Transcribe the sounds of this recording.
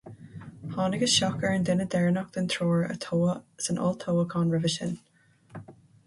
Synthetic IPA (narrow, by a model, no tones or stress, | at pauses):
hɑnɪɡəz̥ʃɔkəɹə̃ndɪnədɛɹnɔk̚ð̥ə̃nt̪ʰɹ̥ɔːɹə̰tʰoʊəɪzə̃nʔɔ̰lˠtʰoʊəkʰɑ̃nɹəvɪʃə̰̃n